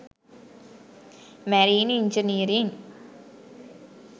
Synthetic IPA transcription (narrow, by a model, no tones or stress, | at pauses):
mæɾiːniɲd͡ʒəniɾiŋ